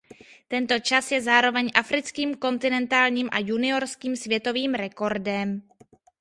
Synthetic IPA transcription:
t̪ɛnt̪o̞t͡ʃasjɛzaːɾo̞vɛɲʔafɾɪt͡skiːmko̞nt̪ɪnɛnt̪aːlɲiːmʔa̰junɪo̞ɾskiːmsvjɛt̪o̞viːmɾɛko̞ɾdɛm

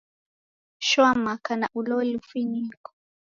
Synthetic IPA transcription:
ʃwamakanaʔulɔlifiɲikɔ̥

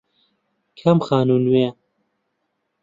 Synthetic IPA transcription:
kʰɐmxaːnuːnwe

